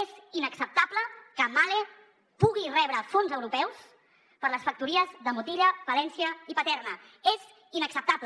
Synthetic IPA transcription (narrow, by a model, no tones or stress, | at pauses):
ezinəksəp̚t̪abləkəmale | puɣirɛβ̞ɾəfonzəwɾupɛws | pəɾləsfək̚t̪uɾiəzðəmut̪iʎəbəlɛnsiəipət̪ɛrnə | ez | inəksəp̚t̪ablə